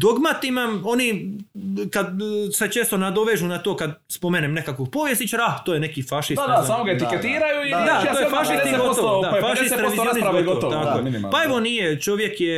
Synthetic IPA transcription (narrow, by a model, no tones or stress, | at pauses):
d̪o̞ɡmat̪imaoni | kad̪set͡ʃeːst̪o̞nad̪o̞ʋeʒunat̪o̞ːkad̪ | spo̞meːnemne̞kakoɡpo̞ʋjest̪it͡ʃaɾaaht̪oːjenekifaʃisaasamoɡaet̪iket̪iːɾajuid̪att̪ojefaʃist̪ɡot̪od̪afaʃist̪ɾeʋizjoniɾaɡoɡooot̪akoje | paeʋonijet͡ʃo̞ʋje̞kje